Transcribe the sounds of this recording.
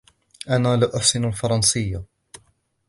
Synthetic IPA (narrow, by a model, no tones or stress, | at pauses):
ʔanaːlaʔʊħsɪnalfɑɾˤɑnsɪjːa